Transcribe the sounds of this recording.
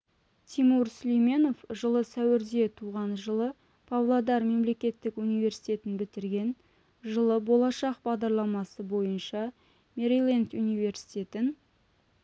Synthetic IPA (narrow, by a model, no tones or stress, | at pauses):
t̪ʰimuɾslʲijme̞no̞fʒəlˠəsæwɪɾd̪e̞t̪ʰuʁɑnʒəlˠə | pʰavlˠad̪ɑɾme̞mle̞kʲe̞t̪ːɪkunijve̞ɾsijt̪e̞t̪ɪnbɪt̪ɪɾɡʲe̞n | ʒəlˠəbo̞lˠɑʃɑq̚bɑʁd̪ɑɾlˠɑmɑsəbo̞jənʃɑ | meɾilʲˠent̪unijve̞ɾsi̥t̪ʲe̞t̪ɪn